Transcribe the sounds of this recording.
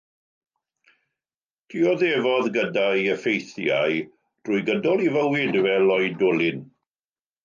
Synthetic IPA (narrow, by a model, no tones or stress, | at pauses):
tʰiɔðevɔðɡədaiəfejθja̰j | d̥ruːjɡədɔlˠivəwɪdvɛlˠɔjdʊlɪn